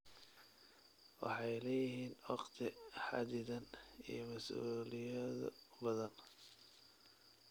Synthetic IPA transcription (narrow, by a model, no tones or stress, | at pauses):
wɑ̰ħɑjlɛːjɪɦiːnwɑqt̪ʰɪħɑ̰d̪ɪðɐnḭjmɐsuːlɪjɛðbɐðɐn